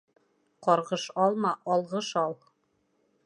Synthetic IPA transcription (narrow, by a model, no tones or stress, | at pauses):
qɒɾʁɤʃɑlˠmɑʔɑlˠʁɤʃɑlˠ